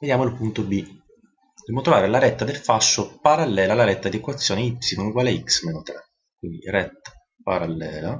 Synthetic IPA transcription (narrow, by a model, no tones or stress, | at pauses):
ved̪jaːmoilpunt̪obi | d̪ɛmonot̪ɾovaːɾelaɾɛt̪ːad̪elfaʃːopaɾalːɛːlaːlːaɾɛt̪ːad̪iekwat̪sːjoːneipsinonuɡwaːleiksmeːnot̪ɾɛ | kwḭnd̪iɾɛt̪ːḁ | paɾalːɛːla